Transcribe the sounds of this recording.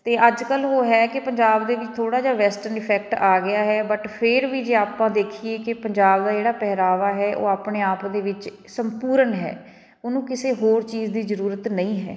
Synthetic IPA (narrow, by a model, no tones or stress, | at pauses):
t̪eːʔəd͡ʒkəlɦoːɦɛːkɪpəɲd͡ʒaːbd̪eːʋɪt͡ʃt̪ʰoːɽaːd͡ʒaːʋɛːsʈəɾnɪpʰɛːk̚ʈaːɡɪaːɦɛːbəʈpʰɪɾʋiːd͡ʒeːaːpãːd̪eːkʰiːeːkɪpəɲd͡ʒaːbd̪aːd͡ʒeːɽaːpɛɦɾaːʋaːɦɛːʔo̰ːaːpɳeːaːpd̪eːʋɪt͡ʃ | səmpuːɾənɦɛ̰ː | onũːkɪseːɦoːɾt͡ʃiːzd̪iːzəɾuːɾət̪nə̃ĩːɦɛ̰ː